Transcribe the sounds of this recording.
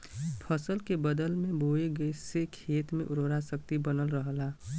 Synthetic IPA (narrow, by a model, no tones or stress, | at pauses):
pʰəsəlkebəd̪əlmẽboːeɡəesekʰeːt̪mẽʔʊɾɾasəkt̪ibənəlɾəɦla